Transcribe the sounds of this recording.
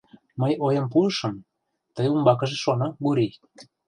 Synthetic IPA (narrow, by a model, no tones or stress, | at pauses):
məjojɤ̆mp̬uʃɤ̆m | t̪ə̆jumbɑk̬ɤ̆ʒĕʃonɤ̆ɡuɾij